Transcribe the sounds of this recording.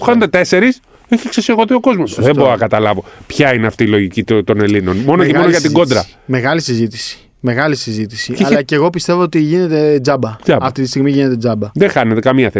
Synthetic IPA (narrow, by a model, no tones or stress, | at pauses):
xɐned̪et̪e̞se̞ɾis | eçiksesieɣo̞θio̞ko̞zmo̞sðe̞boɾkɐt̪ɐlɐvo̞pçɐineɐft̪iːlo̞ʝicit̪t̪o̞ne̞lino̞nmo̞noceooʝɐt̪iɡo̞nd̪ɾɐme̞ɣɐlisizit̪i̥si̥ | me̞ɣɐlisizit̪isiɐlɐceɣo̞pist̪e̞voot̪iʝine̞t̪e̞d͡zɐbɐɐɐft̪it̪ist̪iɣmiʝine̞t̪e̞d͡zɐbɐðexɐne̞t̪e̞kɐmiɐθe